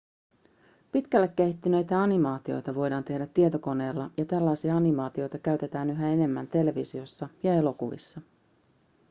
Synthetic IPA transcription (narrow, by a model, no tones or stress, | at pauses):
pit̪k̟ælːekːeit̪ːynø̞jt̪æɑnimɑːt̪io̞̰jt̪ɑʋo̞jdɑːnt̪e̞hdæt̪ːiet̪o̞ko̞ne̞ːlːɑjɑt̪ælːɑjsiɑɑnimɑːt̪io̞jt̪ɑkæɥt̪e̞t̪æːnyɦæe̞ne̞mːænt̪e̞le̞ʋisio̞sːɑjɑe̞lo̞kuʋḭsːɑ